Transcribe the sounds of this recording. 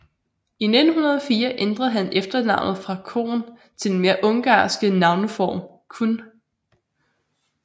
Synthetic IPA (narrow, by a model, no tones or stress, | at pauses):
ined̥n̩ɦunɐðˠɒfiːɐʔend̥ʁɐð̩ˠɦænefd̥ɐnɑ̈ʊ̰nð̩ˠfʁɑ̈kʰo̝̰ːn | t͡sʰe̝lenme̝ɐʔɔ̽ŋɡ̥ɑ̰̈ːsɡ̥ənɑ̈ʊnofɒ̰ːm | kʰun